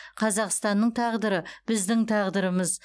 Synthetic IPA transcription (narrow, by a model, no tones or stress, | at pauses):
qʰɑzɑqst̪ɑnːəɴt̪ʰɑʁd̪əɾəbɪzd̪ɪŋt̪ʰɑʁd̪əɾəməz